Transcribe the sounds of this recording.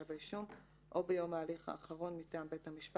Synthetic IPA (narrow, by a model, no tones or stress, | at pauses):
avliʃum | ʔo̞bejo̞maːliχa̰ːχaʁo̞nmitaːmbe̞thamiʃpa